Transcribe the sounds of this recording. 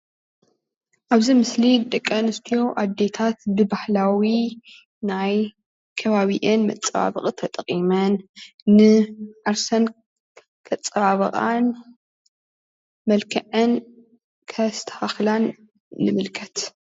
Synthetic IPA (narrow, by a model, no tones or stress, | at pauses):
ʔaβzimɨslid̪ɨkʼːɐnɨst̪ʰijo̞ʔad̪ːe̞t̪ʰat̪bɨbahlawi | naj | kʰɐβaβiʔɨnmɐ̰t͡sʼːɐβa̰βɨ̰qʼt̪ʰɐt̪ʼɐqʼimɐnː | ɨʕaɾsɐn | kʰɐt͡sʼːɐβaβɐ̰χʼa̰n | mɐlkʰɐʕɨn | kʰɐst̪ʰɐ̥haxlanː | ɨmɨlkʰɐt̪